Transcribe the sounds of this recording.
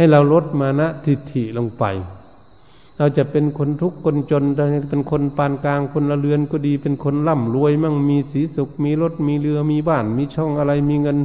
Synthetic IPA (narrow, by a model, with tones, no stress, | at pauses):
ha˨˩˨jla˧wlo˦˥t̪̚maː˧na˧˥ʔt̪ʰi˧˩t̪ʰːi˧˩˨lo˧ŋpa̰˨j | la˧wt͡ɕa˧˨pe˨nkʰo˧˨nt̪ʰu˦˥kːo˧˨nt͡ɕo˧˨nt̪ʰa˧hpe˧˨nkʰo˧˥npaː˧˩˨nkaː˧ŋkʰo˧˥nla˧lɯ˧ənkɔ˧˩diː˧pe˧˨nkʰo˧˥nla˧˩˨mlu˧˥ə˨jma˧˨ŋmiː˧˥siː˨˦su˧˦k̚miː˧˥lo˧˥˩t̪̚miː˧lɯ˧əmiː˧˥baː˧˩nmiː˧˥˨t͡ɕʰɔ˧˩˨ŋʔa˧la˧jmiː˧ŋɤ˧˨n